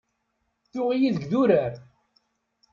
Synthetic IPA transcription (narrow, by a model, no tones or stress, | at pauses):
θʊʁijiðəɡðuɾæɾ